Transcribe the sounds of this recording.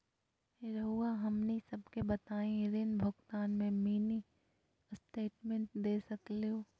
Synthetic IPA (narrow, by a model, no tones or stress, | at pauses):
ɾɐɦuːaɦɐmnisɐbʱkebɐt̪aːẽɾɪnbʱʊɡt̪aːnmẽmiːni | sʈeːʈmẽɳʈ̚d̪eːsɐklijõː